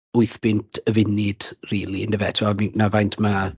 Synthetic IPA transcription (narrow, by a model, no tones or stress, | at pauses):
ʊɨθb̥ɪntʰəvɪnɪd̥riːlˠindəvɛtʰvɛminavajntʰma